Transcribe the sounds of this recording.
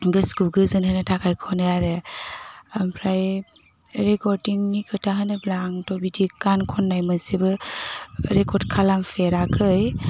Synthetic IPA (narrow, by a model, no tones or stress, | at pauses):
ɡɯskuɡɯzɯnhɯnɯtʰakʰajkʰɔnajaɾe | ampʰɾaj | ɾekɔɾdiŋnikʰɯtʰaɦɯnɯblaŋtɔbidikankʰɔnːajmɯsibɯ | ɾekɔɾdkʰalaŋpʰeɾakʰɯj